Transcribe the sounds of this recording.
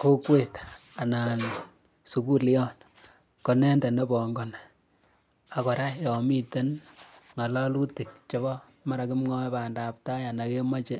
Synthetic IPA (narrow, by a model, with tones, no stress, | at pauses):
ko˦kwe˦˨ta˨na˨n | su˨ku˦li˦ɔ˦n | kɔ˨nɛ˦ndɛ˨ne˦bɔ˨ŋɡɔ˨n | a˨kɔ˨ɾa˦jɔ˨mi˦te˦n | ŋa˨la˦lu˦ti˨k̚t͡ʃe˨βɔ˦ | ma˦ɾa˨ki˦mŋɔ˦paː˨nda˨p̚ta˦ja˨na˨ke˦ma˦t͡ʃe˦